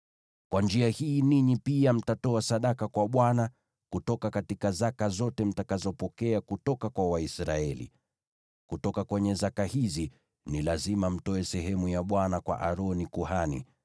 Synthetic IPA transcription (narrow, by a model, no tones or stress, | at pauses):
kwand͡ʒiahiːniɲipiam̩tatɔasaɗakakwaɓwana | kutɔkakatikazakazɔtɛm̩takazɔpɔkɛakutɔkakwawaisɾaɛlḭ | kutɔkakwɛɲɛzakahizi | nilazimam̩tɔɛsɛɦɛmujaɓwanakwa̰ʔaɾɔnikuhanḭ